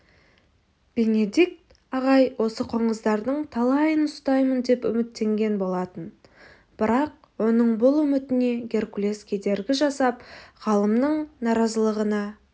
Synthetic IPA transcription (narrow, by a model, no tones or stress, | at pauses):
b̥e̞ne̞d̪ik̚t̪ | ɑʁɑjwo̞səqʰoɴəzd̪ɑɾd̪əɴt̪ʰɑlˠɑjənʊst̪ɑjmənd̪e̞pʏ̰mɪt̪ːe̞ŋɡʲe̞nbo̞lˠɑt̪ən | b̥ɪɾɑq̚ | wo̞nəɴbʊlˠʏmɪt̪ɪne̞ɡʲe̞rkulʲe̞skʲʰe̞d̪e̞ɾɡʲɪʒɑsɑpʁɑlˠəmnəɴnɑɾɑzəlˠəʁənɑ